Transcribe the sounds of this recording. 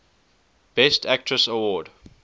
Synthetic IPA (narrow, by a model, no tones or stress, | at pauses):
b̥ɛstʰæk̚tʰɹəsəwɔːd